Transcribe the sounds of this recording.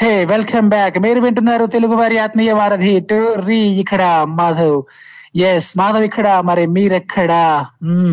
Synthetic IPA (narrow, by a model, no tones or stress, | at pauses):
heːʋelkʰɐmbaːkmeːɾubeɳʈunːaːɾut̪eluɡuʋaːɾiaːt̪mɐjɐʋaːɾɐd̪ʱiʈuɾiːjikʰɐɽamaːd̪ʱɐw | jesmaːd̪ʱɐʋikʰːɐɽaːmɐɾemiːɾɐkʰːɐɽa